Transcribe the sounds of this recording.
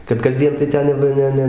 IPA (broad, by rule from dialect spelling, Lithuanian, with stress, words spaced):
kɐt kɐˈzʲdʲiɛn tɐɪ ˈtʲɛn jɛʊ ˈʋɐ ˈnʲɛ ˈnʲɛ